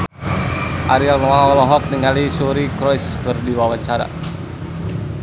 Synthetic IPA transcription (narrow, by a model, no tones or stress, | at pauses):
ʔaɾialməlaɦɔlɔɦɔk̚niŋalisuɾikɾɔjskərdiwawaɲt͡ʃaɾa̰